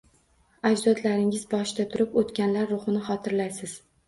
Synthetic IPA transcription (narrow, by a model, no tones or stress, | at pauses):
ad͡ʒzɒt̪laɾɪŋɪzbɒʃd̪at̪ʰʊɾɪpot̪kʲanlaɾːʊχɨnɪχɒt̪ʰɪɾlajsɪz̥